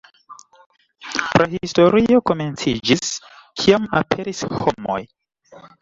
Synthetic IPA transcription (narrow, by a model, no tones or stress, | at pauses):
pɾahisto̞ɾio̞ko̞me̞nt͡sid͡ʒis | kʰiamapʰe̞ɾisho̞mo̞̰j